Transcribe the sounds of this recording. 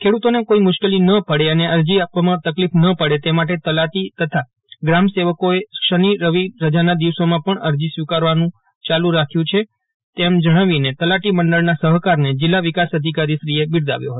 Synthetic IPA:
kʰeɽut̪onekoimʊʃkelinəpəɽeəneəɾd͡ʒiapʋamãt̪əklifnəpəɽet̪emaʈ̬et̪əlaʈ̪it̪ət̪ʰa | ɡɾamseʋəkoeʃəniɾəʋiɾəd͡ʒanad̪iʋsomãpəɳəɾd͡ʒisʋikaɾʋanũ | t͡ʃalũɾakʰjũt͡ʃʰe | t̪emd͡ʒəɽ̃aʋinet̪əlaʈiməɳɖəɭnasəɦkaɾned͡ʒɪlːaʋikasəd̪ʱikaɾiʃɾiebɪɾd̪a̰ʋjo̰ɦət̪o

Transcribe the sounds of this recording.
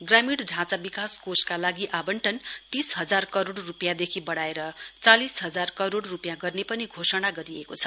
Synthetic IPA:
ɡramiɽɖʱãt͡sabikaskoskalaɡiʔabʌɳʈʰʌnt̪isɦʌd͡zarkʌɾoɽrupjãd̪ekʰibʌɽaeɾʌt͡salisɦʌd͡zarkʌɾoɽrupjãɡʌrnepʌniɡʱosʌɽ̃aɡʌɾiekot͡sʰʌ̥

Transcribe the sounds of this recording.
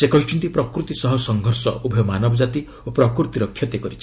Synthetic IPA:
sekɔɦit͡ʃʰuɳʈipɾɔkɾut̪isɔɦɔsɔŋɡʱɔɾsɔ̰ubʱɔjɔmanɔbɔd͡ʒat̪i | opɾɔkɾut̪iɾɔkʰːjɔt̪ekɔɾit͡ʃʰi̥

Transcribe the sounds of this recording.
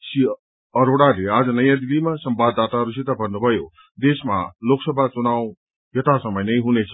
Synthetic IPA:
si | ʌɾoɽalead͡zʌnʌjãd̪ibimasʌmbad̪ːat̪aɦʌɾusit̪abʱʌnːubʱʌjo | d̪esma̰loksʌbʱat͡sunaw | jʌt̪asʌmʌjnʌjɦunet͡sʰʌ̥

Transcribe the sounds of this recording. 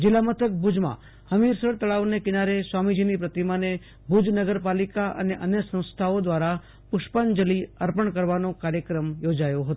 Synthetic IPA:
d͡ʒɪlamət̪ʰək̚bud͡ʒmã̰ | həmiɾsəɽt̪əɭaʋnekɪnaɾesʋamid͡ʒinipɾət̪imane | bʱud͡ʒnəɡəɾpalikaʔə̰neʔənjəsə̃w̃st̪ʰaod̪ʋaɾa | pʊʃpənd͡ʒəliəɾpəɳkəɾʋanokaɾjəkɾəmjod͡ʒajoɦət̪o

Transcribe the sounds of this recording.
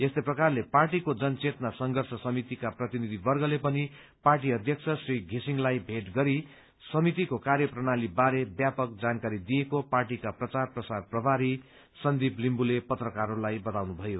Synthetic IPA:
est̪eprʌkarleparʈikod͡zʌnt͡sʰet̪nasʌŋɡʱʌrsʌsʌmit̪ikaprʌt̪inid̪ʱibʌrɡʌlepʌni | parʈ̬iʌd̪ʱjʌkt͡sʰʌsriɡʱisiŋlajbʱeʈɡʌɾi | sʌmit̪ikokaɾjʌprʌɽ̃alibaɾebjapʌk̚d͡zankaɾid̪ijekoparʈikaprʌt͡sarprʌsarprʌbʱaɾi | sʌnd̪iblimbulepʌt̪rʌkaɾolajbʌt̪awnubʱʌjo

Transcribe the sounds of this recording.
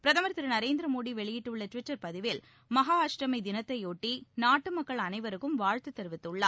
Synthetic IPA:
pɪɾɐðɐmɐɾt̪ːɪɾɐnɐɾeːnd̪ɪɾɐmoːɽiʋɛɭɪjɪʈːɯɭːɐʈʋɪʈːɐɾpɐðɪʋɪl | mɐɦaːaːʂɾɐmɐɪd̪ɪnɐt̪ːɐɪoːʈːinaːʈːɯmɐkːɐɭɐnɐɪʋɐɾɯkːɯmʋaːɻt̪ɯt̪ːɛɾɯʋɪt̪ːɯɭːaː

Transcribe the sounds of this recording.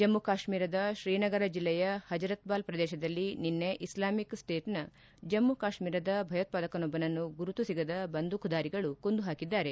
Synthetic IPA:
d͡ʒɐmːukaːʃmiːɾɐd̪ɐʃɾiːnɐɡɐɾɐd͡ʒilːɛjɐhɐd͡ʒɐɾɐt̪baːlpɾɐd̪ɛːʃɐd̪ɐlːininːeʔislaːmiksʈeːʈnɐ | d͡ʒɐmːukaːʃmiːɾɐd̪ɐbʱɐjɐt̪̚paːd̪ɐkɐnɔbɐnɐnːuɡuɾut̪usiɡɐd̪ɐbɐnd̪ʱukʰud̪aːɾiɡɐɭukond̪uɦaːkid̪ːaːɾe̞

